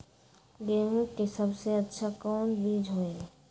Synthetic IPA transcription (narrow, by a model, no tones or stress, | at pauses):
ɡeɦũkesɐbseɐtːʃʰakɔːnbiːd͡ʒʱɦoːẽ